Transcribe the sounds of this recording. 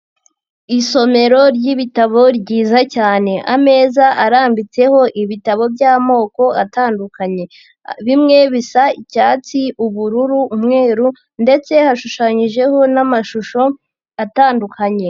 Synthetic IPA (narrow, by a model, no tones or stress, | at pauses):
iso̞me̞ɾo̞ɾɟiβitaβo̞ɾɟiːzacaːne̞ʔame̞ːzaʔaɾaːmbit͡se̞ho̞ʔiβitaβo̞bɟaːmo̞ːko̞ataːndukaɲe̞ | βimŋe̞βisaicaːt͡siuβuɾuɾuːmŋe̞ːɾu | nde̞t͡se̞haʃuʃaːɲiʒe̞ho̞namaʃuʃo̞ | ataːndukʰaɲe̞